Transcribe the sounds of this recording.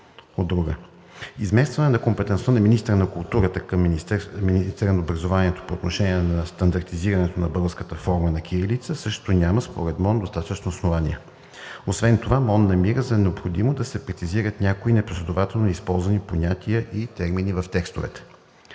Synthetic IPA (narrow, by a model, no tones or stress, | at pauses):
od̪ːɾuɡə | izmɛst̪vɐnɛnɐkompɛt̪ɛnt̪vonɐminist̪əɾənɐkulˠt̪uɾət̪əkəmminist̪ɛɾənɐobɾɐzovanʲiɛt̪o̥poːt̪noʃɛniɛnɐst̪ɐnd̪ɐɾt̪iziɾɐnɛt̪onɐbɤlˠəskət̪əfɔɾmənɐk̟ʲiɾilit̪səsɤʃt̪onʲaməspo̰ɾɛt̪mɔnd̪ost̪at̪ət͡ʃnoːsnovanʲijɛ | osvɛnt̪ovamɔnnɐmiɾəzɐnɛopxod̪imod̪ɐsɛpɾɛt̪sʲiziɾət̪nʲjakoinɛposlʲɛd̪ovat̪ɛlˠnoispɔlˠzvɐniponʲat̪ʰiəʔit̪ɛɾminivəft̪ɛkst̪ovɛ̰t̪ɛ̥